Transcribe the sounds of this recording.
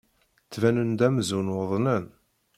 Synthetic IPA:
t͡sːvænənd̪æmzunwəðˤnən

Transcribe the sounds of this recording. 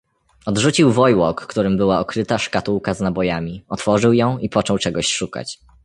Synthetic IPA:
ɔd̪ʐut͡ɕiwvɔjwɔkːt̪uɾɘmbɘwaɔkɾɘt̪aʂkat̪uwkaznabɔjamʲiɔt̪fɔʐɘwjɔ̃w̃ipɔt͡ʂɔwt͡ʂɛɡɔɕʂuka̰t͡ɕ

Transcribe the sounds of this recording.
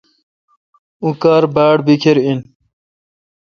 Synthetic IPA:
ukaːɾbaːɽbikʰeɾin

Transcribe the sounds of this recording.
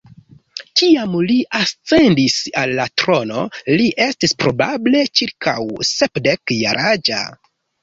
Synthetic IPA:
kiamliʔast͡se̞ndisalːatɾo̞no̞liʔe̞stispɾo̞bable̞t͡ʃiɾkʰa̰wsepdekjaɾʔad͡ʒa̰

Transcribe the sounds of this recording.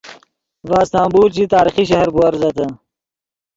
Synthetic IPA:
vaːst̪ãːmbuːlt͡ɕit̪aːɾiχiɕɐɦɐɾbuɐɾzɐt̪ə

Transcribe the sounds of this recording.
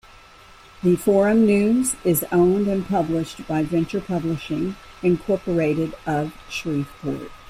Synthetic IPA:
ðɨfɔɹɨ̃mnʉ̃zɪzõʊ̃ndɨ̃npʰʌblɪʃt̚b̥aɪvɛ̃nt͡ʃə˞pʰʌblɨʃɪ̃ŋ | ɨ̃nkʰɔɹpə˞eɪɾɨɾʌv̥ʃɹifbʰə̰˞d̥̚

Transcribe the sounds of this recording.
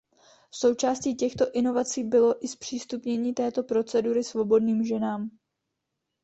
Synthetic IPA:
fso̞wt͡ʃaːsciːcɛxt̪o̞ʔɪno̞vat͡siːbɪlo̞ʔɪspr̝̥iːst̪upɲɛɲiːt̪ɛːt̪o̞pɾo̞t͡sɛduɾɪsvo̞bo̞dniːmʒɛnaːm

